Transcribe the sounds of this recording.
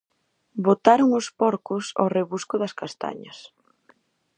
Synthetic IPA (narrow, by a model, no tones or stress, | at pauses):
bot̪aɾʊŋospɔɾkʊso̰reβuskʊðɐskast̪a̰ɲɐs